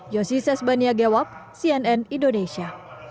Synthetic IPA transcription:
jɔsisɛsbaniaɡɛwap̚siɛnɛnindonesia

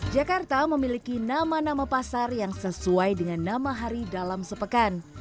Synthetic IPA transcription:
d͡ʒakart̪aməmilikinamanamapasarjaŋsəsuajdəŋanːamaɦaɾidalamsəpəkan

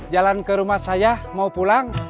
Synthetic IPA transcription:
d͡ʒalankəɾumahsajahmaupulaŋ

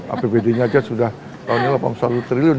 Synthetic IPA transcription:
a̰pebedeɲaːd͡ʒasudah | k̪anilapa̰msalut̪əɾilio

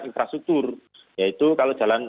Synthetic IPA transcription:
infɾast̪uk̚t̪ʊr | jait̪ukalod̥ʒ̥a̤lan

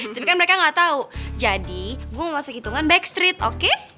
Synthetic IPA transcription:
t̪apikanməɾekaŋɡat̪aud͡ʒadiɡuaməmasukit̪uŋanbɛkst̪ɾɪt̪o̰ke

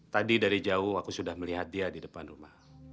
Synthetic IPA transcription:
t̪adidaɾid͡ʒaʊhakusudahməliɦat̪̚diadidəpanrumah

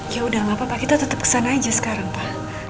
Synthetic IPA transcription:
jaudahlapapakit̪at̪ət̪əp̚kə̥sanad͡ʒasə̥kaɾaŋpah

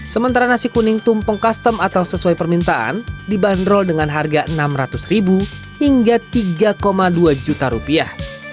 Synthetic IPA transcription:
səmənt̪aɾanasikunɪŋt̪umpɔŋkast̪əmat̪awsəsuajpərmint̪aʔa̰ndibandɾɔldəŋanɦarɡaʔənamrat̪ʊsribu | hiŋɡat̪iɡakomaduad͡ʒut̪aɾupiah

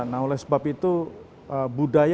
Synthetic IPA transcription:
naɦolɛhsəbapit̪u | əbudaj

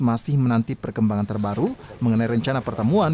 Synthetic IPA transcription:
masɪhmənant̪ipərkəmbaŋant̪ərbaɾuməŋənaiɾəɲt͡ʃanapərt̪əmuan

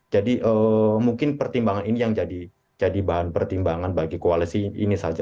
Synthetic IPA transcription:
d͡ʒadiʔəːmuŋkɪnpərt̪imbaŋaninijaŋd͡ʒadi | d͡ʒadibaɦanpərt̪imbaŋanbaɡikoalisiḭnisad͡ʒa

